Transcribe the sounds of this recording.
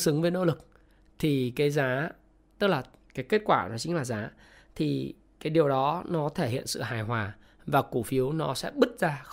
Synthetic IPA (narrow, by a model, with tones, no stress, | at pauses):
sɨ˨˦ŋvəe˨˦no̰˧˥lɨ˨˩k̚ | t̪ʰi˨˩kaː˨˦jzaː˨˦ | t̪ə˦˥k̚laː˨˩ | kaː˨˦jke˦˥t̚kwaː˧˩nɔ˨˦t͡ɕï˨˦ŋ̟laː˨˩zaː˨˦ | t̪ʰi˨˩ | kaː˨˦jɗi˨˩əwɗɔ˨˦nɔ˨˦t̪ʰe˧˩hḭ˧˨ənsɨ̰˧˨ɦaː˨˩jɦwaː˨˩ | vaː˨˩ku˧˩fi˨˦əwnɔ˨˦sɛ̰˧˥ɓɨ˦˥t̚zaː˧